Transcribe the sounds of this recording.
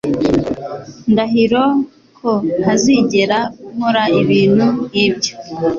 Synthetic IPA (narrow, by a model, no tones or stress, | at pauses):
ndaɦiɾo | kʰohaziɟe̞ɾakuhoɾaiβiːn̥hunibɟo̥